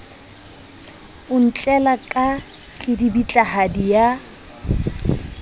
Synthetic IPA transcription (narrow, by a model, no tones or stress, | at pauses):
ʊn̩t͡ɬʼɛlakʼa | kʼɪdibit͡ɬʼahadija